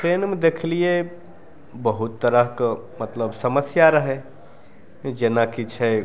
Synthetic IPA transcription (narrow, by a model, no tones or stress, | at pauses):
pɾeːnmed̪ekʰlie | bəɦut̪ːəɾəɦk | mət̪ləbsəməsjaɾəɦe | d͡ʒenakit͡ʃʰɛ